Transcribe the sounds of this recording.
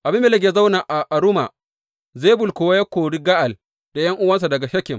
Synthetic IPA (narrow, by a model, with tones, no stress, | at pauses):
ʔa˨bɪ˦mːeː˨lɐ˦ɡʲeː˨˦za˦wna˨ʔa˨ʔa˨ɾʊ˦ma˨ | zeː˦bʊ˨lkʷʊ˨wa˦ja˦kʷoː˨ɽi˦ɡa˦ʔa˨l | d̥a˨jɐ˦ŋʔʊ˦wɐ˦ns̬a˨dɐ˨ɡa˨ʃɐ˦kʲɪ˨m